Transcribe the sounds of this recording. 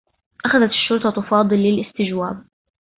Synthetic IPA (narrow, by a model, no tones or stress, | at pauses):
ʔaxaðat̪ɪ̥ʃːʊɾt̪ˤɑt̪ʊfɑːd̪ˤɨlːɪlʔɪst̪ɪd͡ʒwaːb̚